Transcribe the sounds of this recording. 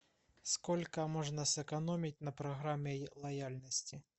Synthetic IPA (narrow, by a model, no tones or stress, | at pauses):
skɔlʲkɐmɔʐnɐsɛkanɔmʲit͡sʲnɐpɾɐɣɾamʲɛlˠɐjalʲnɐsʲt͡sʲi